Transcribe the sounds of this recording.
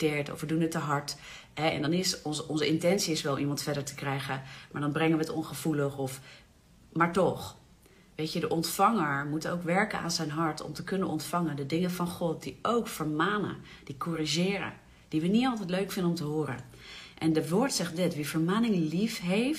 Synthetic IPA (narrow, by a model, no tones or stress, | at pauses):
tɪːɹtɔ̰fʋədunətːəɦɑɹt | ɦɛɛ̰ndɑnɪsɔnzɔnzəɪntɛnsiɪsʋɛlˠimɑntfɛdəɹtə̥krɛjχəmaːɹdɑnbrɛŋənʋətɔnχəv̥uləχɔf | maːɹtɔχ | ʋejtədəʔɔntfɑŋəɹmutowkʋɛɹkəna̰ːnzɛjnɦɑɹtɔ̰mtəkɵnənɔntfɑŋəndədɪŋəvɑnχɔt̚d̥iowkfəɹmaːnə̰ | d̥ikɔriʒɪːɾə̰ | d̥iʋənitɑlˠtɛjtløɥkfɪndənɔmtəɦʊːɾə̰n | ʔɛndəʋoːɹtsɛχt̚dɪtʋivəɹmaːnɪŋəlifɦejft